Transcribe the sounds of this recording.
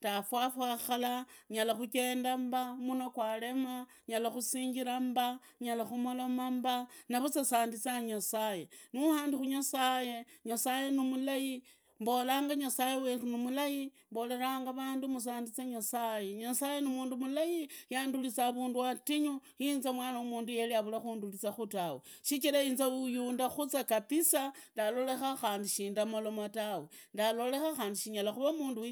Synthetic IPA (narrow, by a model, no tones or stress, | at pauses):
tafwafwaxalaɲalaxuke̞ːndambamunokwale̞ma | ɲalaxusiːɲɡiɾamba | ɲalaxumolomambanaβut͡sasaːndit͡saɲasaje̞nihaːndixuɲasaje̞ɲasaje̞nimulaji | mbo̞laːŋɡaɲasajewerunomulajimbo̞le̞ɾaːŋɡaβaːndumus̬aːndit͡saɲasaje̞ɲasaje̞nimuːndumulajijandulit͡saβuːnduatiɲojinzamwaːnaumuːndujeliaβulaxuːndulit͡saxutaweʃit͡ʃiɾainzaujuːndaxut͡sakapisandalo̞le̞xaxaːndiʃiːndamolo̞matawendalo̞le̞xaxaːndiʃiɲalaxuβamuːndu